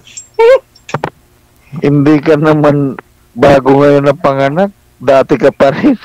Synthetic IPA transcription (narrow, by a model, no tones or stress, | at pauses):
hɪnd̪iːkɐnɐman | baːɡoŋɐjonːɐpɐŋɐnak̚ | d̪aːt̪ɪkɐpɐɾɪ